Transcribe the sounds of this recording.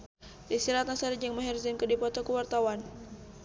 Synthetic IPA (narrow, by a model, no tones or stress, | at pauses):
disiɾat̪̚nasaɾid͡ʒəŋməɦɛrzɪnkədipɔt̪ɔkəwart̪awan